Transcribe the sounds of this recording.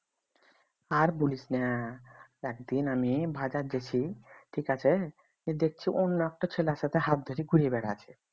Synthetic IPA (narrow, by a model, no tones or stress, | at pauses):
aɾbuliʃnea | ɛk̚d̪inamibʱad͡ʑad͡ʑet͡ɕʰiʈʰikat͡ɕʰe | id̪ek̚ʰt͡ɕʰiʔonːoɛk̚ʈot͡ɕʰelaʃat̪ʰeɦat̪̚d̪ʱoɾiɡuɾiebɛɽat͡ɕʰe̥